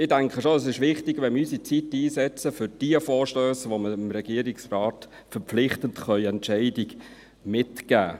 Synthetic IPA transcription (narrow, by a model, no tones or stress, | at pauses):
ɪdæŋkχəʃoəs̬ɪʃʋɪχtɪɡʋɛnmysit͡sitiːsɛt͡səfʏɾd̥iəfɔːɾʃtøːsʋoməɪmɾɛɡiəɾiksrɑːt | fəɾpp͡flɪχtəntχœʏɛntʃɛɪdiɡ | mɪtɡ̥æ̰ː